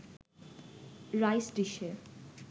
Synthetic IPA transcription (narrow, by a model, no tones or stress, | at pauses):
ɾajsɖiʃe